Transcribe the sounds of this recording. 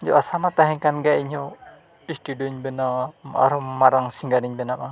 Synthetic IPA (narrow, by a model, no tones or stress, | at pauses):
ɲd͡ʒɔʔasamat̪aɦɛŋkanɡaʔiɲɔ | isʈuɖɔɲbɛnaa̰ɾɔmaɾaŋsiŋɡaɾiɲbɛnama